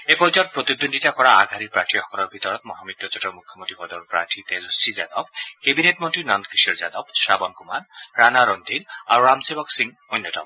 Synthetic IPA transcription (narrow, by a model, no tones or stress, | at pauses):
epɔɹid͡ʒɔt̚pɹot̪id̪onditakɔɹaaɡʱaɾiɹpɹatʰixɔkɔlɔɹbʱit̪ɔɹɔt̪mɔɦamit̪̚ːɔt͡ʃɔtɔmukʰːɔmontɹibʱɔd̪ɔɔpɹa̰ʈʰit̪ezɔsiza̰d̪ɔb̚kebinetmɔntɹinɔnd̪kisɔɹzad̪ɔbsabɔnkumanɹanaɾɔnd̪ʱinaɹuɹamsebɔksiŋ | ojnːɔtɔ̰m